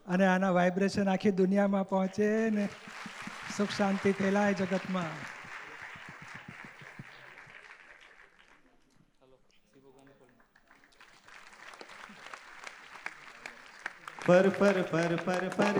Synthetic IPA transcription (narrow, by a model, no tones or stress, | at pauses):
əneanaʋajbɾeʃənakʰid̪unijamãpɔɦɔ̃t͡ʃene | sʊkʃãnt̪it̪ʰelajd͡ʒəɡət̪mã | pəɾpəɾpʰəɾpʰəɾ